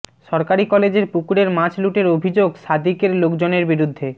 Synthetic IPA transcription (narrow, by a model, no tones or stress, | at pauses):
ʃɔɾkaɾikɔled͡ʑeɾpukuɾeɾmãt͡ɕluʈeɾobʱid͡ʑoɡʃad̪ikeɾlokd͡ʑoneɾbiɾud̪ʱːe